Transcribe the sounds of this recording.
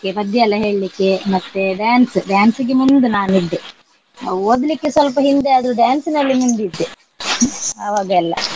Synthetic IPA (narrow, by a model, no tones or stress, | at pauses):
okebɐd̪jɐɐlːɐɦe̞ːɭilikːemɐt̪ːeɖaːnsɖjaːnsiɡemund̪unaːniɖ̪ːe | oːd̪likːesʋɐlpɐɦind̪eɐd̪ɾuɖjaːnsinɐlːimund̪id̪ːe | ɐʋaːɡɐɛlːɐ̰